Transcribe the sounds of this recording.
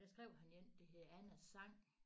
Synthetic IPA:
d̥æsɡ̥ʁɛʊ̰hænjen̰d̥e̝ɦeð̩ˠænæsːɑ̈ŋ̰

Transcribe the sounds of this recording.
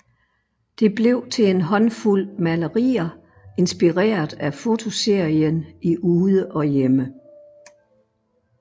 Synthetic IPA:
d̥e̝b̥le̝ʊ̰t͡sʰe̝enɦɒ̽nful̰mæləʁḭːɐ | e̝nsb̥iʁɛ̰ːɐðˠæfo̝t͡sʰo̝se̝ɐ̰iəniʔuːðˠəʔɒ̽jemə

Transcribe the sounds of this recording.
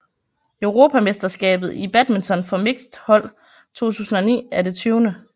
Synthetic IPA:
øʊʁo̝ːpʰæmesd̥ɐsɡ̥ɛ̰ːb̥ð̞̩ˠib̥æd̥ment͡sʰɒ̽nfɒ̽me̝ɡ̥sd̥hɒ̽l̰ | t͡sʰo̝̰ːt͡sʰṵːsn̩ɒ̽nḭːæɐde̝t͡sʰyːʊnə

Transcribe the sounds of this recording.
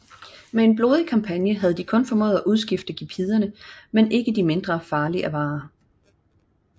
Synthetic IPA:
mee̝nb̥lo̝ːð̞ˠəkʰɑ̈mpʰænjəɦæð̞̩ˠd̥ikʰɔ̽nfɒ̽mɔ̰ːðˠæʔuð̞ˠsɡ̥ifd̥əɡ̥ipʰið̞ˠɐnəmene̝ɡ̥əd̥ime̝nd̥ʁɐfɑ̈ːliʔæʋɑ̈ː

